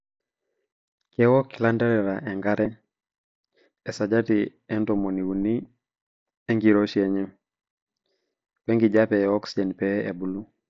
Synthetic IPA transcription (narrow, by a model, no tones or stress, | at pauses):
kɛwɔkilandɛɾɛɾaʔɛŋɡaɾɛ | ɛsaɟatiɛndɔmoniwuni | ɛŋɡiɾoʃiɛɲɛm | pɛŋɡiɟapɛɛɔksiɟɛnpɛɛ̰bulu